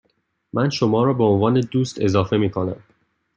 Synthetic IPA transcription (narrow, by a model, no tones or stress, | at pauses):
mʔænʃomɒːɾɒːbeonvɒːne̞d̪uːst̪ʰe̞zɒːfe̞miːkʰo̞næm